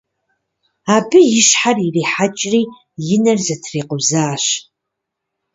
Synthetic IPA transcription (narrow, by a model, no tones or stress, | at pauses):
aːbɨjɪʃħaririːħat͡ʃʼriː | jɪnɐrzɐtʰriːqʊzaːɕ